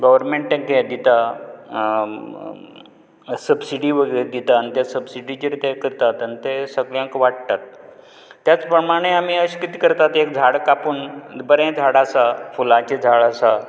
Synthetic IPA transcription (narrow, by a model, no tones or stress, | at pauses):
ɡəʋəɾmeɳʈẽŋked̪it̪a | səbsiɽiʋəɡəɭed̪it̪aənt̪jasəbsiɖid͡ʑəɾet̪ekəɾt̪at̪ənit̪esəɡɭjãŋkʋaʈt̪at̪ː | jat͡spɾəmaɽ̃eam̤iəɕkit̪ikəɾt̪at̪ek̚d͡zʱaɽkapuːnbəɾẽd͡zʱaɽasafulãt͡ɕed͡zʱaɭasa